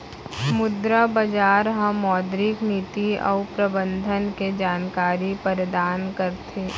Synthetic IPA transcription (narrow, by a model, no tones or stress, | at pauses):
mʊd̪ɾabɐd͡ʒaːɾɦãmɔːd̪ɾɪkniːt̪iɔ̰ːʊpɾɐbə̃nd̪ʱənked͡ʒaːnkaːɾipəɾd̪aːnkəɾt̪ʰeː